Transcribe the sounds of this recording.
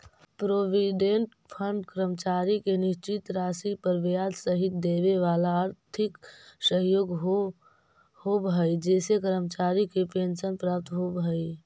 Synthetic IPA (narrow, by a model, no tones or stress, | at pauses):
pɾoːʋiɖẽɳʈ | pʰəɳɖkɾəmət͡ʃaːɾikenɪʃt͡ʃɪt̪ɾaːsipəɾʋjaːd̪səɦɪt̪̚d̪eːʋeʋaːlaəɾt̪ʰɪksəɦjoːɡɦo | hobɦəid͡ʒɛːsekəɾəmt͡ʃaːɾikepeːnsənpɾaːp̚t̪ɦobɦəi